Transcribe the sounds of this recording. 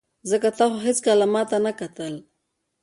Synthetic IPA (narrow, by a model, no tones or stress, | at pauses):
zəkat̪aχaɦit͡skalamat̪anakat̪al